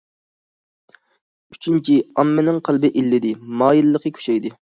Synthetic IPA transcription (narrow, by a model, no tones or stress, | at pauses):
y̥t͡ʃʰynt͡ʃʰiɑmːɪnɪŋqʰælˠbɪʔilːɪd̪ɪmɑːjilːəqʰəkʲʰy̥ʃɛjd̪ɪ